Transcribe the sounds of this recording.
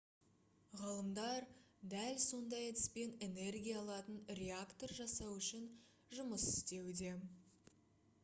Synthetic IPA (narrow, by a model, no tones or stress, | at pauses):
ʁɑlˠəmd̪ɑɾd̪ælso̞nd̪ɑjet̪ɪ̥spe̞ne̞ne̞rɡʲijɑːlˠɑt̪ənɾʲe̞akt̪o̞rʒɑsɑwʏʃɪn | ʒʊməsɪ̥st̪e̞wd̪e̞